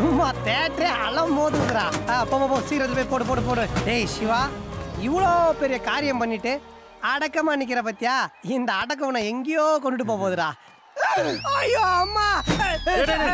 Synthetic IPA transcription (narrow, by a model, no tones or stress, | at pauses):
maːt̪eːʈɾeɐ̰lɐmːoːðɯʋɐðɯɾaːpoːpoːpoːsiːɾɐd̪pɐpoːʈɯpoːʈɯp̬oːʈɯeːjʂiʋaːiʋɐɭoːpɛɾɪjɐkaːɾjɐmpɐɳːiʈːɯ | ɐɽɐkːɐmɐnik̬ːɪɾɐpɐt̪ːijaːind̪ɐːɽɐk̬ːɐʋɐnɐeŋɡijoːkɔɳɖɯʈ̬ːɯp̬oːpoːðɯɾaː | ɐjoɐmːaː